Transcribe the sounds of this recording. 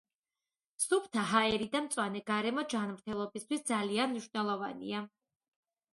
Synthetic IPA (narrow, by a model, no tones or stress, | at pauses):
supʰt̪ʰaɦaɛɾid̪amt̪sʼwanɛɡaɾɛmɔd͡ʒanmɾt̪ʰɛlˠɔbist̪ʰwisd̪zalianmniʃwvnɛlˠɔvanḭa